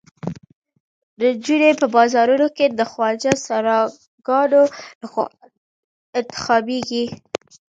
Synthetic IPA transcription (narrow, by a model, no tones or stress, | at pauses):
d̪əd͡ʒunepəbɑzɑɾunoked̪əxwɑd͡ʒasaɾɑ | ɡɑnolax | ɪnt̪ɪ̥xɑbeɡi